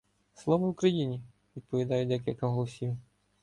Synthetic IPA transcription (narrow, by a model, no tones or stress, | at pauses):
slˠɔʋɐukɾɐjinʲi | ʋʲid̪̚pɔʋʲid̪ɑjʊd̪ɛk̬ʲilʲkɐɦɔlˠɔsʲiw